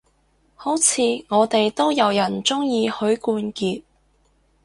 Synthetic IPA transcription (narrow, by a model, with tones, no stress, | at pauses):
ho˨˥wt͡sʰiː˨˧ŋɔː˨˧t̪e˨jt̪o˥wjɐ˨˧wjɐ˨˩nt͡sʊ˥ŋjiː˧hɵ˨˥ɥkuː˧nkiː˧t̚